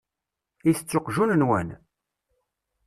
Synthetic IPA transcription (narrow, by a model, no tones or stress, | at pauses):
iθət͡sːoqʒunənwæ̰n